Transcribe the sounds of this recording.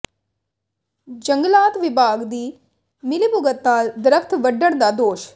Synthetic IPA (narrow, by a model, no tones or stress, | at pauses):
d͡ʒə̃ŋɡlaːt̪ʋɪbʱaːɡd̪iː | mɪlibʊɡət̪naːld̪ɾəkʰt̪ʋəɖːəɽ̃d̪aːd̪oːʃ